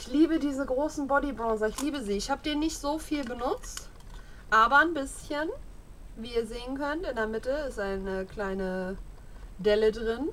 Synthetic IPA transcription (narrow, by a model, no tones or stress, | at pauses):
ʔʔɪçliːbədiːzəɡʁoːsn̩bɔdibʁɑ̃ːzɐɪçliːbəziːɪçhaːbədiːɐnɪçtz̥oːfiːlbənʊt͡st | ʔaːbɐanbɪsçən | viːiːɐzeːənkʰœntɪndeːɐmɪtəɪstaɪnəkl̥aɪnə | dɛlədʁɪn